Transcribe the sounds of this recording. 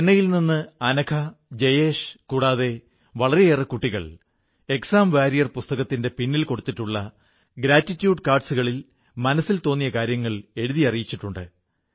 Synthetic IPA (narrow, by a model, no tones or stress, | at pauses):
enːɐjilninːɨɐnɐkʰɐd͡ʑejeːʂkuːɽaːðe̞ | ʋɐɭɐɾeerɐkuʈːiɣɐ̰ɭ | e̞ksaːmʋaːɾijɐrpust̪ɐɣɐt̪ːinde̞pinːilko̞ɽut̪ːiʈːuɭːɐ | ɡɾaːtːitːjuːɖkaːrɖsuɣɐɭil | mɐnɐsːilt̪o̞ːnːijɐkaːɾjɐŋːɐɭe̞ɻuðijɐrijit͡ɕːiʈːuɳɖɨ̰